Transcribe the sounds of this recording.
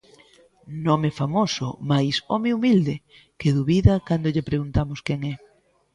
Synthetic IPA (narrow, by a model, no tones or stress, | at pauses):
nomefamosʊ̰majsɔmeumild̪e | keðuβiðakand̪oʎɪpɾeɣunt̪amʊskɛŋɛ